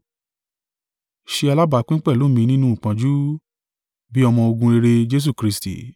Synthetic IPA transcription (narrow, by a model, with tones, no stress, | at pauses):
ʃe˧a˧la˦ba˨˧˦k͡pĩ˦k͡pɛ˦˨lo˦˨mĩ˧nĩ˦nũ˦u˨k͡pã˧d͡ʒu˦ | bi˦ɔ˧mɔ̃˧o˧ɡũ˧e˧ɾe˧d͡ʒe˦s̬u˦˨kɾi˦stḭ˨